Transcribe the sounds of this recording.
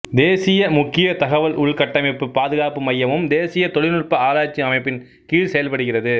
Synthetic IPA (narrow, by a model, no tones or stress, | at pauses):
d̪eːsɪjɐmʊkːɪjɐt̪ɐɣɐʋɐlʔʊɭkɐʈːɐmɪpːɯpaːðɯɣaːpɯmɐjːɐmɯmd̪eːsɪjɐt̪ɔɭɪnɯɭpɐaːlaːt͡ʃːiɐmɐɪpːɪn | kiːɻsɛjɐlpɐɽɯɣɪrɐðɯ